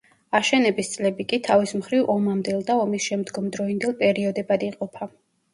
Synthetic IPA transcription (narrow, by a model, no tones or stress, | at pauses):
aʃɛnɛbist̪sʼlɛbikʼit̪ʰavismχɾivʔɔmamd̪ɛlˠd̪aɔmisʃɛmd̪ɡɔmd̪ɾɔind̪ɛlˠpʼɛɾiɔd̪ɛbad̪iqʼɔpʰa